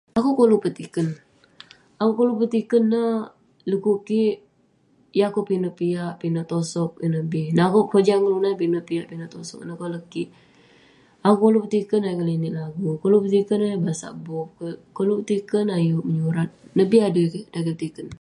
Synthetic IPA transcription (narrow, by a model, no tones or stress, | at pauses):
akukolupət̪ikən | akukolupət̪ikənːəh | ləkukiʔ | jakopinəpiaʔpinət̪osɔk̚ənəbɪhnakopod͡ʒaŋəlunajpinəpijaʔpinət̪osɔ̰k̚nakoləkiʔ | akukolupət̪ikənajukəlinɪlaɡukolupət̪ikənabasa̰ʔbɔp̚kəkolupət̪ikənajuʔməɲuɾat̪̚nəbɪhadəkiʔdakəpət̪ikən